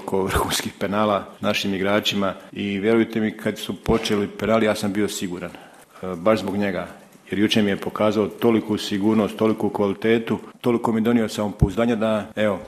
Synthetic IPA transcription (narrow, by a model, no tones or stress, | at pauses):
kʰoʋr̩xuːnskixpe̞naːlanaʃimiɡɾaːt͡ʃimaiʋje̞ɾujt̪e̞mikʰad̪supo̞t͡ʃelipenaːlijaːsambio̞siɡuːɾan | baʃzbo̞ɡɲe̞ɡa̰ | je̞ɾjut͡ʃemije̞po̞kaːzao̞t̪o̞likusiɡuːɾno̞st̪o̞likukʋalit̪e̞ːt̪ut̪o̞liko̞mijed̪o̞nijo̞saompouzd̪aːɲad̪ae̞o̞